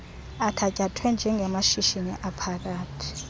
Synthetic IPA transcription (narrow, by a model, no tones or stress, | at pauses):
atʰacʼatʰwɛnd͡ʒʱɛŋɡʱɛmaʃiʃiniʔapʰak̬aːtʰi̥